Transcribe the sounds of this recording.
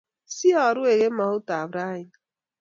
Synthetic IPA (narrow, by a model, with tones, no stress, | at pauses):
si˦a˨ɾʊ˦e˨ɣe˦ma˨hʊ˦ta˨bɾa˦ɪ˦n